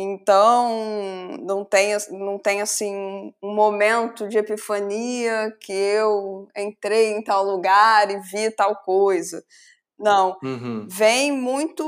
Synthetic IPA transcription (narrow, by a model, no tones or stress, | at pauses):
ẽnt̪ɐ̃w̃nɐ̃w̃t̪ẽj̃ɐsnɐ̃w̃t̪ẽj̃ʊɐsĩũũmomẽnt̪ʊd͡ʒɪepifɐniɐkɪewẽnt̪ɾejẽj̃t̪awluɡaɾɪvit̪awkojzɐ | nɐ̃w̃vẽj̃mũj̃t̪ʊ